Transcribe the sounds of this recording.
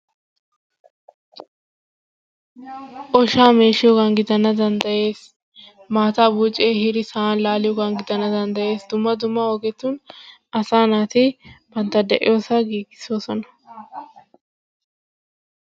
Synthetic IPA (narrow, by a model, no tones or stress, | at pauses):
ʔɔʃaːme̞ːʃɪjɔɡɐnɡɪd̪ɐnːɐd̪ɐnd̪ɐje̞ːs | maːt̪aːbuːt͡ʃʼːeːhɪɾɪsɐaːnlaːlɪjɔɡɐŋɡɪd̪ɐnːɐd̪ɐnd̪ɐje̞ːsd̪ʊmːɐd̪ʊmːɐɔɡɛt̪ːun | ɐsaːnaːt̪ib̥ɐnt̪ɐd̪ɛʔɪ̰jo̞ːsɐɡiːɡɪ̥soːsɔnɐ